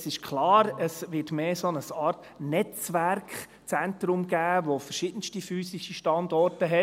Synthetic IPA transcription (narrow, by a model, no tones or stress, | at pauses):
sɪʃkʰlɑːɾəsʋɪtmeːsonəsɑːɾt | nɛt͡svæɾkχ | t͡sɛntɾʊmɡ̥æːʋofəɾʃiːd̥ən̩stifyːsɪʃiʃtɑndɔɾtəɦɛ